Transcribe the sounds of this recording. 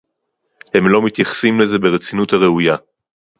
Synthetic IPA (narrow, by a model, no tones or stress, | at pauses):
he̞mlo̞mit̪jaχsimle̞ze̞be̞ʁet͡sinuthaʁe̞uja